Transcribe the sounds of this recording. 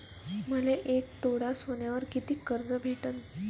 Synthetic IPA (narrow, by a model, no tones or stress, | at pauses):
məleʔek̚t̪oɽasʋonjaʋəɾkit̪iːkːəɾd͡zəbʱeʈən